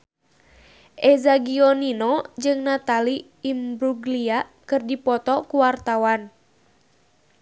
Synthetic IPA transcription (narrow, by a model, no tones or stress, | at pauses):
ʔɛzaɡiɔninɔd͡ʒɨŋnat̪aliː | mbɾuɡliakɨrdipɔt̪ɔkuwart̪awan